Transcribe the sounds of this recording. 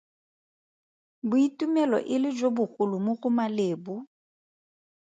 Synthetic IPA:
bʊitʼumɛlɔ̰ʔɪlɪd͡ʒobʊɣʊlʊmʊɣʊmaleːbʊ

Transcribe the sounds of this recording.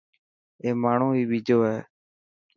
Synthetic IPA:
eːmaːɳ̤ũːiːɓiːd͡ʒʱoːɦeː

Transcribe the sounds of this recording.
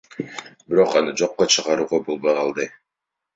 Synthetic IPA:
biɾo̞qɑnɯd͡ʒo̞qːot͡ʃʰɯʁɑɾuːʁɑbo̞lˠbojqʰɑlˠd̪ɯ

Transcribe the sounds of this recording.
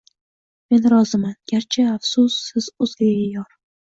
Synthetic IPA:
me̞nɾɒzɪmanɡʲaɾt͡ʃʰɪafsʊsːɪz̥ʊzɡʲaɡʲajɒɾ

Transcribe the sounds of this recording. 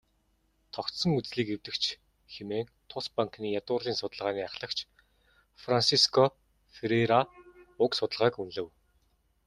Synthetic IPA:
t̪ʰɔkt̪sɞ̆ŋut͡sɮiːkewt̪ɘ̆kt͡ɕʰ | xemeːnt̪ʰʊspaŋkniːjat̪ʊːrɮiːnsʊt̪ə̆ɮʁaːniːaχɮə̆kt͡ɕʰ | fransiskʰɔ | feɾeɾaʊksʊt̪ə̆ɮʁaːkunɮɘ̆w

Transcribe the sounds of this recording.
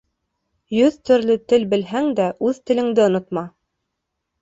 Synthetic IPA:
jɵðt̪ɵ̆ɾlɘt̪ɘlbɘ̆lɦæŋd̪æʔʉðt̪ɘ̆lɘ̆ŋd̪ɘŏnŏt̪mɑ

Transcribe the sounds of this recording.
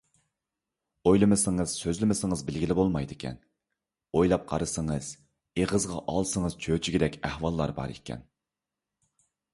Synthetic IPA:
ojlˠɨmɨsɨŋəz̥søzlɪmɪsɪŋəzbɪlɡʲilɪbolˠmɑjd̪ɪkʲʰɛ̰n | ojlˠɑp̚qʰɑ̰ɾɨsəŋəz̥ | eʁəzʁɑʔɑlˠsəŋəz̥t͡ʃʰøt͡ʃʰiɡʲid̪ɛkʲæhwɑlˠːɑɾbɑ̰ɾḛkʲʰɛ̰n

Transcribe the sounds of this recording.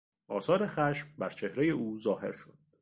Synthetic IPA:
ʔɒːsɒːɾe̞xæʃmbæɾt͡ʃʰe̞hɾe̞je̞uːzɒːhe̞̰ɾʃo̞d̪̥̚

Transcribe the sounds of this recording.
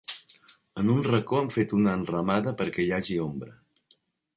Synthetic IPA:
ənunrəkoəmfet̪unəːnrəmaðəpəɾkɛjaʒiombɾə

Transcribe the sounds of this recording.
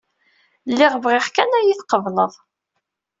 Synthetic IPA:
lːɪʁvʁɪχkænæjiθqəvləðˤ

